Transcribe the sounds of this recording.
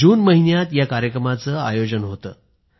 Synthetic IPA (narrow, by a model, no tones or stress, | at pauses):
uːnməɦinjat̪jakaɾjəkɾəmat͡səːa̰jod͡ʑənɦot̪ə̰ː